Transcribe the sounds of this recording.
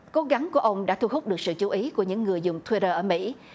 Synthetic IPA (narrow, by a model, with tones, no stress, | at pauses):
ko˨˦ɣa˨˦ŋku˧˩əʔə˧wŋ͡mɗa̰ː˧˥t̪ʰu˧ɦʊ˦˥k͡p̚ɗɨ˨˩ək̚sɨ̰˧˨t͡ɕu˨˦ʔi˨˦ku˧˩əɲɨ̰˧˥ŋːɨ˨˩əjzʊ˨˩ŋ͡mt̪ʰwi˧ɾəː˧˩ʔəː˧˩mḭ˧˥